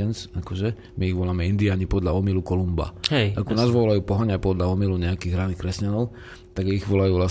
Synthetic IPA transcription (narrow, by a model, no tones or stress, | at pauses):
ɛnt͡sakɔʒɛ | miiɣʋɔlamɛind̪iaɲipɔd̪ʎaɔmilukɔlumba̰ɛʔakɔnaːzʋɔlajuːpɔɦaɲapɔd̪ʎaɔmiluɲɛakiɣɦɾanixkɾɛscanɔʊ | t̪aɡiɣʋɔlajuːʋla